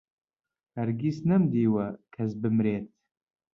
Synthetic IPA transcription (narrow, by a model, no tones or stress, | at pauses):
hɐɾɡisnɐmd̪iːwɐkʰɐs̬bɨmɾeːt̪̚